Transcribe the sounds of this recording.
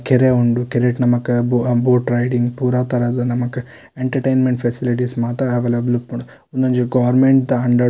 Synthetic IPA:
keɾeuɳɖukeɾeʈnɐmɐkːɐboboːʈɾɐjɖiŋɡpuːɾaːt̪ɐɾaːd̪ɐnɐmɐkːɐ | eɳʈɐɾʈejnmeɳʈpʰesiliʈ̬ismaːt̪ɾɐɐʋeːleblupːuɳ | und̪ond͡ʒuɡɐʋɐɾmeɳʈd̪ɐɐɳɖɐ

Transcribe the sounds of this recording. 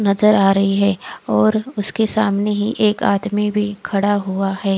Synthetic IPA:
nɐzəɾaːɾɐɦiɦɛːɔːɾʊskesaːmneɦiʔeːkaːt̪mibʱikʰɐɽaɦuahɛː

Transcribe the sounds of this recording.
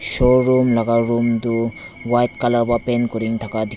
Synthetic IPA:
sɔɾumlaɡaɾumduwajt̚kalaɾbapenkɔɾiŋt̪ʰakad̪i

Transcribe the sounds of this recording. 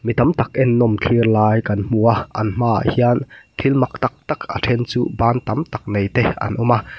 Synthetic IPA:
mit̪amt̪ak̚ʔɛnːɔmt͡ɬʰirlaːjkɐnm̥uaʔɐ̰nm̥aːʔa̰hiant̪ʰilmɐk̚t̪ak̚t̪akʔa̰tʰɛnt͡suːbaːnt̪amt̪ak̚nejt̪ɛʔɐ̰nʔɔma

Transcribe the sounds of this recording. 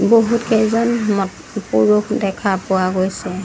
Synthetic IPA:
boɦutkɛjzɔnmɔt | puɹukʰdɛkʰapʊwaɡojsɛ

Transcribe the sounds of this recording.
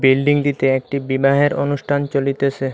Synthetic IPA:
bilɖiŋd̪it̪eek̚ʈibibaɦeɾonuʃʈʰant͡ɕolit̪et͡ɕʰe

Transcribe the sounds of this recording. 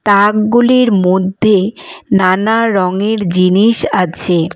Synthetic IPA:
t̪akɡuliɾmod̪ʱːenanaɾɔŋeɾd͡ʑiniʃat͡ɕʰe

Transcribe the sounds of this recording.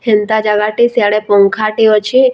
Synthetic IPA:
hɛnt̪ad͡ʒaɡaʈisjaɭepɔŋkʰaʈiot͡ʃʰi

